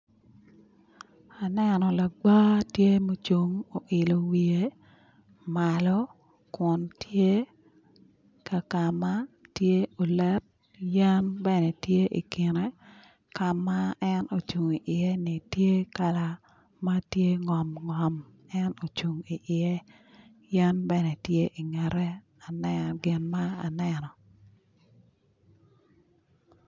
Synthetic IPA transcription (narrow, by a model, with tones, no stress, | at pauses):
a˨nɛnɔ˨la˨ɡ͡ba˦tje˦mo˦t͡ʃo˨ŋo˨ʔɪ˨lo˨wi˨e˦ | ma˨lɔ˦ | kwʊ˨ntje˦ | ka˨ka˨ma˦tje˦o˨lɛ˦t̚ | ja˦nbɛ˨nɛ˨tje˦ʔḭ˨kɪ˨ne˦ | ka˨ma˦ɛ˦no˨t͡ʃu˨ŋi˨ʔɪ˨e˦nɪ˨tje˦ka˨la˨ | ma˦tje˦ŋɔ˨mŋɔ˨m | ɛ˦no˨t͡ʃu˨ŋi˨ʔɪ˨e˦ | ja˦nbɛ˦nɛ˨tje˦ʔi˨ŋɛ˨ɾɛ˦ | a˨nɛɡɪ˨nma˦a˨nɛ˦nɔ˨